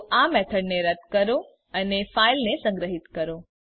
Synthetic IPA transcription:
ʔamɛt̪ʰəɖneɾət̪kəɾo | ənefailnesə̃ŋɡɾəɦit̪kəɾo

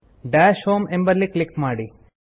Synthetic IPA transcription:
ɖæːʃhoːmẽmbəɾliklɪkmaːɽi

